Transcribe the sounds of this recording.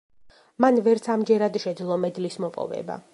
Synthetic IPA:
manvɛɾt̪sʰamd͡ʒɛɾad̪ʃɛd̪zlˠɔmɛd̪lismɔpʼɔ̰vɛ̰ba̰

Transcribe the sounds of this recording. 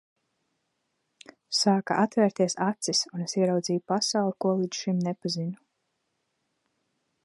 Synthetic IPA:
saːka̰ʔat̪væːɾt̪iɛsat̪sisunesiɛɾawd̪ziːjupasawlˠkuɔlˠid̪ʃimnepazinu

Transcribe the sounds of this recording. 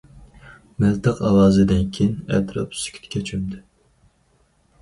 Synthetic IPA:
mɛlt̪ɨqɑwɑːzɨd̪ɪnkʲʰinɛ̰t̪ɾɑ̰psy̥kʲʰt̪kʲʰɛt͡ʃʰymd̪ɪ

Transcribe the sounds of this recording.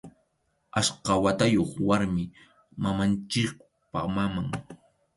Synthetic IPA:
asqɑwat̪ajoχwaɾmɪ | mamant͡ʃɪk̚ | pa̰mamaŋ

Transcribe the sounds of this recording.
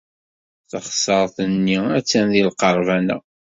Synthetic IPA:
θəχsˤəɾˤθənːiæt͡sːænðilqəɾˤvænæ̰

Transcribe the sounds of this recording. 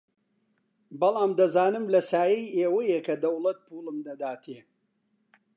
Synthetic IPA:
bɐlˠaːmd̪ɐzaːnɨmlɐsaːjɛjeːwɐjekɐd̪ɐwlɐt̪̚pʰuːlˠɨmd̪ɐd̪aːt̪ʰeː

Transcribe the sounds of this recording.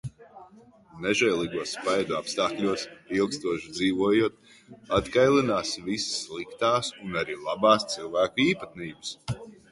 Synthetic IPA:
nɛʒɛjlˠiːɡuɔspajd̪uapst̪aːklʲuɔsilˠkst̪uɔʃd̪ziːvuɔjuɔt̪̚ | at̪kajlˠinaːsvissːlˠikt̪aːsunaɾiːlˠabaːst̪silˠvæːkuiːpat̪niːbɨs

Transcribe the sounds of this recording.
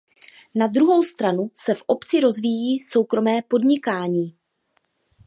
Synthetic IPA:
nad̪ɾuɦo̞wst̪ɾanusɛfʔo̞pt͡sɪɾo̞zviːjiːso̞wkɾo̞mɛːpo̞dɲɪkaːɲiː

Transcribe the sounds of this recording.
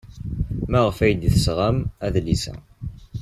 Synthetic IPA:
mæʁəfæjd̪iθəsʁəmæðlisæ̰

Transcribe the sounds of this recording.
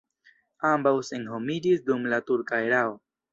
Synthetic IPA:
ãːmbawseŋɦomidisd̪umlat̪uɾkajɾaːw

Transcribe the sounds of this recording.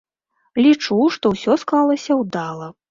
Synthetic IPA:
lʲit͡ʂuʂt̪ɔwsʲɔsklˠalˠɐsʲɐwd̪alˠɐ

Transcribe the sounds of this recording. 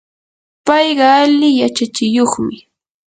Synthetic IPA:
pɑjɢɑalɪjat͡ʃat͡ʃɪjoχmɪ

